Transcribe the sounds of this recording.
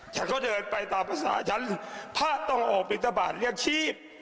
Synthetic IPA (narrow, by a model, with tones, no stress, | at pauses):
t͡ɕʰa˦˥nkʰɔ˦˥˩dɤː˧˩n̚pa˧jt̪aː˨˩mpʰa˧˩sa̰ː˩˦t͡ɕʰa˦˥npʰaː˥˩t̪ɔ˥˩ŋʔɔː˨˩k̚pʰi˨˩t̪̚ːa˧baː˨˩t̪̚ɾi˥˩ək̚t͡ɕʰiː˥˩p̚